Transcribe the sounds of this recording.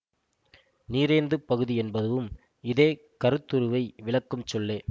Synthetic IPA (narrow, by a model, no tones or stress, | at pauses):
niːɾeːnd̪ɯpɐɣɯðiɛnbɐðɯʋɯm | ɪðeː | kɐɾɯt̪ːɯɾɯʋɐɪʋɪɭɐkːɯmt͡ʃɔlːeː